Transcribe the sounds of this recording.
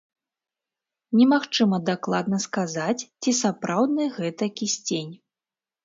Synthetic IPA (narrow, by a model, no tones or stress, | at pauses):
nʲɛmaxt͡ʂɨmɐd̪aklˠad̪nɐskazat͡sʲt͡sʲisapɾawd̪nɨjɣɛt̪ɐkʲisʲt͡sʲenʲ